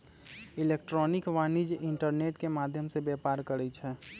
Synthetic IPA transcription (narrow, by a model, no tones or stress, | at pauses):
ilekʈɾɔnikʋanid͡ʒiɳʈəɾneʈkemad̪ʱjəmsebjɛpaɾkəɾɛt͡ʃʰɛ